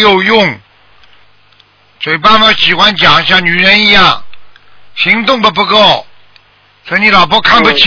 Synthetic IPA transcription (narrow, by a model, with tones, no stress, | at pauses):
jo˨˩ʊjʊ˥˩ŋ | ʂwe˨˩ɪpa˥˩nmə˧˥ɕi˨˩xwa˥nt͡ɕjɑ˨˩˦ŋɕjɑ˥˩ŋny˨˩ɻə˧˥ni˧˥jɑ˥˩ŋ | ɕi˧˥ŋt̪ʊ˥˩ŋb̪ə˧˩p̬u˧˥ko˥˩ʊ | swɔ˧˥˧ni˧˥lɑ˨˩ʊpwɔ˥kʰa˥˩npu˨˩t͡ɕʰ